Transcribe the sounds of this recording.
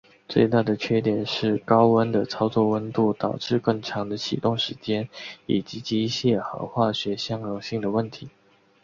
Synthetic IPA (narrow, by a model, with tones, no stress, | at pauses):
t͡swe˥˧ɪt̪a˥˩d̪ə˩t͡ɕʰɥɛ˥˩t̪jɛ˨˩nʂɻ̩˥˩kɑ˥ʊwə˥nd̪ə˨t͡sʰɑ˥ʊt͡swɔ˥˧wə˥nt̪u˥˩t̪ɑ˨˩ʊʈ͡ʂɻ̩˥˧kɤ˥˩ŋʈ͡ʂʰɑ˧˥ŋd̪ə˧t͡ɕʰḭ˨˩t̪ʊ˥˩ŋʂɻ̩˧˥t͡ɕjɛ˥ni˨˩t͡ɕi˧˥t͡ɕi˧˥i˥˩ɕjɛ˥˧xɤ̰˧˥xwa˥˩ɕɥɛ˧˥ɕjɑ˥ŋɻʊ˨˩ŋɕi˥˩ŋd̪ə˩wə˥˩nt̪ʰi˧˥